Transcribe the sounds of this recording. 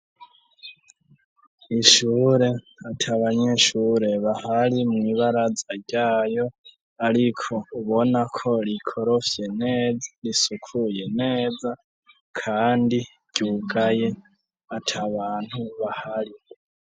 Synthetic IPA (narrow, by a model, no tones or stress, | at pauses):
iʃuːɾe̞ | atʰaβaɲe̞ʃuɾe̞βahaɾimŋiβaɾazaɾɟaːjo̞ | aɾikʰo̞uβo̞nakʰo̞ɾikʰo̞ɾo̞fje̞ne̞ːzaɾisukʰuje̞ne̞ːza | kʰaːndi | ɟ̥uːɡaje̞ | atʰaβaːn̥huβahaɾi